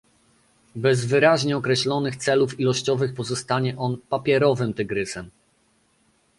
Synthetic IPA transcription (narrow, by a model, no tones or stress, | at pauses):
bɛzvɘɾaʑɲɛɔkɾɛɕlɔnɘxt̪sɛlufilɔɕt͡ɕɔvɘxpɔzɔst̪aɲɛʔɔnpapʲjɛɾɔvɘmt̪ɘɡɾɘsɛm